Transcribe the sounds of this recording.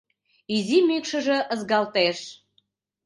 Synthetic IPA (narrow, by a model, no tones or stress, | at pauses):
izimykʃə̆ʒə̆ʔə̆zɣɑlt̪eʃ